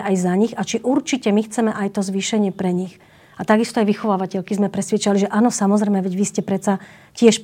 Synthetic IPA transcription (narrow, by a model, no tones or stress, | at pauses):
ʔajzaɲiɣat͡ʃiʔuɾt͡ʃicɛmixt͡sɛmɛʔajt̪ɔzʋiːʃɛɲɪɛpɾɛɲix | at̪aɡist̪ɔajʋixɔʋaːʋacɛʎkizmɛpɾɛsʋjɛt͡ʃaliʒɛʔaːnɔsamɔzɾɛjmɛʋɛɟʋiscɛpɾɛt̪t͡sa | cɪɛʃp